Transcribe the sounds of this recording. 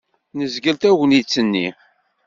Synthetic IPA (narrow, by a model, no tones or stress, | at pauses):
nəzɡəlt̪æwnit͡sːənːḭ